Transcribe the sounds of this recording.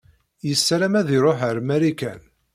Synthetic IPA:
jəsːɾæmæðiɾˤoħəɾmæɾikæ̰n

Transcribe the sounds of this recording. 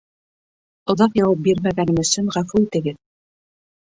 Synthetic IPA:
ŏðɑqjɑwɑp̬̚biɾmæɡænɘ̆mɵ̆sɵɴʁæfuit̪ɘ̆ɡɘð

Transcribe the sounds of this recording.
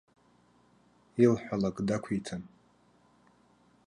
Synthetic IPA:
ilħʷᶣalakʼdakʷʰitʰɨn

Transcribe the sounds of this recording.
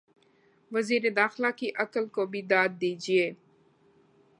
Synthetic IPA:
ʋəziːɾed̪aːxɪlakiʔɐkəlkobʱid̪aːd̪̚ːiːd͡ʒieː

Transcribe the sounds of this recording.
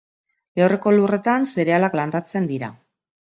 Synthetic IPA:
ewre̞ko̞lure̞t̪anse̞ɾe̞alakland̪at͡se̞nd̪iɾa

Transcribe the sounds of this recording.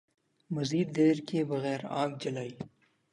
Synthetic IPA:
mɐziːd̪ːeːɾkebɐɣɛːɾa̰ːɡ̚d͡ʒɐlaːiː

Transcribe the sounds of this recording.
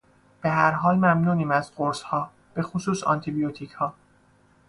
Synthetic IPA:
b̥e̞ɦæɾɦɒːlmæmnuːniːmæzɢoɾshɒː | b̥e̞xosuːsɒ̰nt̪ʰibijot̪ʰichɒː

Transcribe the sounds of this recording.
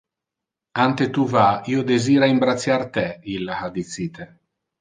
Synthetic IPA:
ant̪et̪uvaiːod̪eziːɾaimbɾat̪sːjart̪ɛilːahad̪it̪sit̪e

